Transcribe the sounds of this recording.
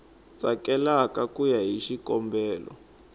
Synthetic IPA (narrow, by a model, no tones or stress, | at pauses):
t͡sʼakɛlakakujaɦiʃikɔmbɛːlɔ̰